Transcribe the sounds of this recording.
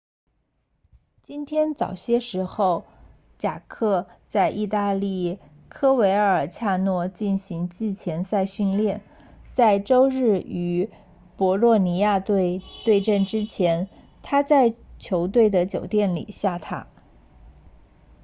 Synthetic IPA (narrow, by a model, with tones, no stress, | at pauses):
t͡ɕi˥nt̪ʰjɛ˥nt͡sɑ̰˨˩ʊɕjɛ˥ʂɻ̩˧˥xo˥˧ʊ | t͡ɕja̰˨˩kʰɤ˥˧t͡sa˥˧ɪʔi˥˧t̪a˥˧li˥˩ | kʰɤ˥we˧˥ɪə˞˧ə˞˨˩t͡ɕʰja˥˧nwɔ˥˧t͡ɕi˥˩nɕi˧˥ŋt͡ɕi˥˩t͡ɕʰjɛ˧˥nsa˥˧ɪɕy˥˧nljɛ˥˩n | t͡sa˥˩ɪʈ͡ʂo˥ʊɻɻ̩˥˩y˧˥ | pwɔ˧˥lwɔ˥˩ni˧˥ja˥˧t̪we˥˧ɪt̪we˥˧ɪʈ͡ʂə˥˩nʈ͡ʂɻ̩˥t͡ɕʰjɛ˧˥n | t̪ʰa˥t͡sa˥˩ɪt͡ɕʰjo˧˥ʊt̪we˥˩ɪd̪ə˩t͡ɕjo˨˩ʊt̪jɛ˥˩nlḭ˨˩ɕja˥˩t̪ʰa̰˥